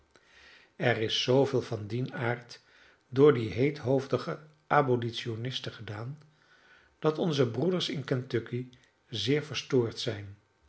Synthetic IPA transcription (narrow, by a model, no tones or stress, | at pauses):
ɛrɪsːowveːlˠvɑndinaːɹt | dʊːɹdiɦejtɦowvdəχə | ʔabolitsionɪstəχədaːn | d̥ɑtɔnzəbrudəɹsɪnkɛntøki | zɪːɹvəɹstʊːɹtsɛjn